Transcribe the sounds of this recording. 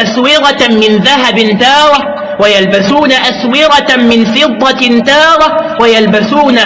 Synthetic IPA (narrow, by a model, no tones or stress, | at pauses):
ʔaswɪɣamɪnðaɦabnt̪ɑːɾˤa | wajalbasuːnaʔaswɪɣamɪnfɪɨd̪ˤːɑt̪ɑːɾˤawajalbasuːna